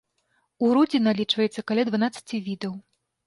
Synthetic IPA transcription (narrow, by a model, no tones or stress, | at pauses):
uɾud͡zʲinalʲit͡ʂvɐjɛt̪sːɐkalʲad̪vanat̪sːɐ̥t͡sʲivʲid̪ɐw